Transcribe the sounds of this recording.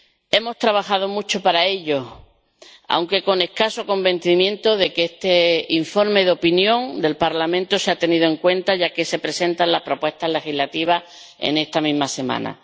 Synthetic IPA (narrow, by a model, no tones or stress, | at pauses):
e̞mo̞st̪ɾaβaxað̞omut͡ʃo̞paɾae̞ʎo | a̰wŋke̞ko̞ne̞hkasoko̞mbẽ̞n̟θimjẽ̞nt̪oðe̞keest̪eiɱfo̞ɾme̞ðo̞pinjõ̞ŋd̪e̞lpaɾlamẽ̞nt̪oseat̪e̞niðoe̞ŋkwẽ̞nt̪aʝake̞se̞pɾese̞nt̪anlapɾo̞pwe̞st̪aɦle̞xiɦlat̪iβ̞ah | ḛne̞st̪amĩɦmase̞mã̰na̰